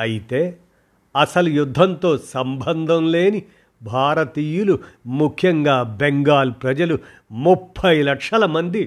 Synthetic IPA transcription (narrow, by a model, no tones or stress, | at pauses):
ɐjit̪e̞ː | ɐsɐlujud̪ʱːɐnt̪o̞ːsɐmbʱɐnd̪ʱɐmle̞ːni | bʱaːɾɐt̪iːjulumukʰjɐŋɡaːbeŋɡaːlpɾɐd͡ʒɐlu | mupʰːɐjlɐkʂɐlɐmɐnd̪i